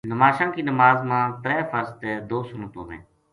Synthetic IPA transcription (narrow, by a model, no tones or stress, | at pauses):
nəmaːʃãːkiːnəmaːzmãːp̪ɾɛːfʰəɾst̪eːd̪oːsʊnõt̪õːɦḛ̃ː